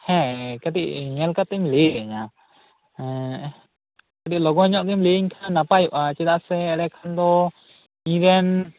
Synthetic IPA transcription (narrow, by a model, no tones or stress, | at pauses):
hɛ̃kat̪iʔɲɛlkat̪ːɛmliɾɛɲa | kat̪iʔlɔɡɔɲɔʔɡ̪ɛmliiŋkʰanːapajʔat͡ʃɛd̪aʔsɛːɾɛkʰand̪ɔ | iɾɛn